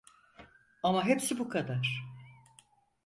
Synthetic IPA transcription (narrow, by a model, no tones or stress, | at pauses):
amaɦepsibukʰad̪aɾ̥